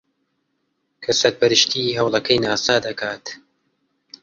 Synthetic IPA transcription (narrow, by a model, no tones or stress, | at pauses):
kʰɐsɐɾ̚pʰɐɾɨʃt̪ʰiːɦɐwlˠɐkʰɐjnaːsaːd̪ɐkʰaːt̪